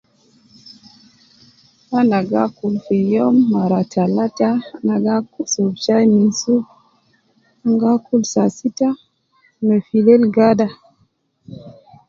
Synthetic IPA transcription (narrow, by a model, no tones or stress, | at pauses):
hanaɡakulfejomːaɾatalatanaɡakusobt͡ʃajminsuk | aŋɡakulsasita | mefilelɡada